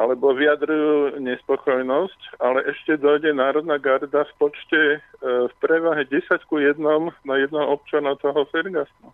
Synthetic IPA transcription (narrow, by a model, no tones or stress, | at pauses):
ʔalɛbɔʋiad̪ɾujuːɲɛspɔkɔjnɔscalɛʔɛʃcɛd̪ɔjɟɛnaːɾɔd̪naɡaɾd̪afpɔt͡ʃcɛfpɾɛʋaɦɛɟɛsackujɛd̪nɔmnajɛd̪nɔɔp̚t͡ʃanaʊt̪ɔɦɔfɛɾɡasnu